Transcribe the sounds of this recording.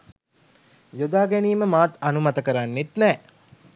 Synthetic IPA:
jod̪aːɡæniːməmaːt̪ɐnumɐt̪əkəɾanːit̪nɛː

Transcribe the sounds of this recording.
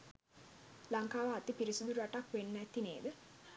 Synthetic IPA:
laŋkaːʋəat̪ipiɾisud̪uɾaʈakʋenːæt̪ineːd̪ə

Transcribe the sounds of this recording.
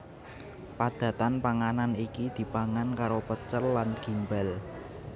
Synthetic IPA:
pad̪̥ä̤t̪anpaŋananikid̪̥i̤paŋankaɾopət͡ʃəlːanɡ̥i̤mbɛl

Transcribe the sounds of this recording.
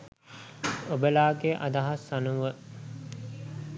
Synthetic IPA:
obəlaːɡeʔa̰d̪aɦasanuʋə

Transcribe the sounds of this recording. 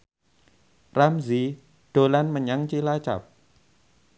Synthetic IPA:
ramzi | ɖ̥olanməɲaŋt͡ʃilat͡ʃa̰p̚

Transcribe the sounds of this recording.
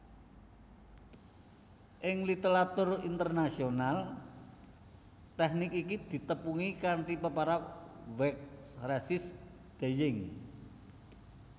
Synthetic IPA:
ʔɪŋlit̪eɾat̪ʊrint̪ərnasional | t̪ɛhnikikid̪̥i̤t̪əpuŋikaɳʈipəpaɾawɛk̚srɛsɪs | d̪̥e̤jɪŋ

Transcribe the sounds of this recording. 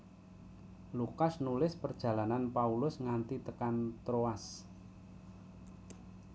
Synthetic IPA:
lukasnulɪspərd̥ʒ̥ä̤lananpaulʊsŋant̪it̪əkant̪ɾoas

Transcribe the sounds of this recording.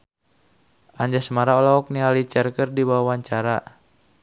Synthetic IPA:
ʔaɲd͡ʒasəmaɾaɔlaɔk̚nialit͡ʃərkərdibawwaɲt͡ʃaɾa

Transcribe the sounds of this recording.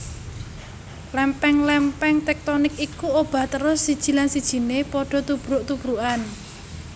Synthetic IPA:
lɛmpɛŋlɛmpɛŋt̪ɛk̚t̪ɔnɪkikuob̥ä̤ht̪əɾʊsːid̥ʒ̥i̤lansid̥ʒ̥i̤nepɔɖ̥ɔ̤t̪ub̥ɾʊʔt̪ub̥ɾuʔan

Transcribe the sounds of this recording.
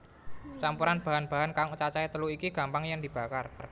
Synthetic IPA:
t͡ʃampuɾanb̥a̤ɦanb̥a̤ɦankaŋut͡ʃat͡ʃait̪əluikiɡ̥a̤mpaŋjaŋd̪i̤b̥a̤kar

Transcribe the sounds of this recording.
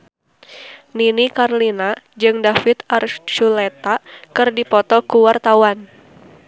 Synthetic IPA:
ninikarlinad͡ʒɨŋdafit̪art͡ʃulet̪akɨrdipɔt̪ɔkuwart̪awan

